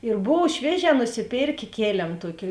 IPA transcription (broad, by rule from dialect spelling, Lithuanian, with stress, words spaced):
ɪr ˈboːw ˈʃʲʋʲiɛˌʒʲɛː nʊsʲɪˈpʲeːrʲkʲeː ˈkʲeːlʲeːm ˈtuɔkʲɪ